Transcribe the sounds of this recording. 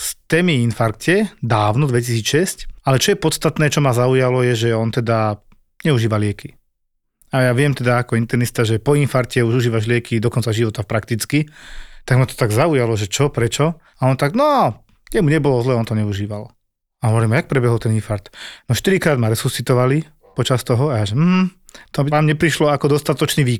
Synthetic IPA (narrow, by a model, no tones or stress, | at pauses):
st̪ɛːmiinfaɾkcɛd̪aːʊnɔd̪ʋɛcisiːt͡sʃɛscalɛt͡ʃɔjɛpɔt̪st̪at̪nɛːt͡ʃɔmazaujalɔjɛʒɛɔnt̪ɛd̪a | ɲɛuʒiːʋalɪɛkʰi | ajaʋɪɛmt̪ɛd̪aːkɔint̪ɛɾnist̪aʒɛpɔinfaɾkcɛuʒuʒiːʋaʒlɪɛkid̪ɔkɔnt͡saʒiʋɔt̪apɾakt̪it͡skit̪aɡmat̪ɔ̥t̪aɡzaujalɔʒɛt͡ʃɔpɾɛt͡ʃɔ | aɔnt̪aɡnɔ | jɛmuɲɛbɔlɔzlɛːɔnt̪ɔɲɛuʒiːʋal | aɔʋɔɾlimajak̚pɾɛbɛɦɔlt̪ɛninfaɾt̪nɔʃt̪iɾikɾaːd̪maɾɛsust͡sːit̪ɔʋali | pɔt͡ʃast̪ɔɦɔajaːʒɛm̩ɦ̩t̪ɔbiamɲɛpɾiʃlɔakɔd̪ɔst̪at̪ɔt͡ʃniːʋiː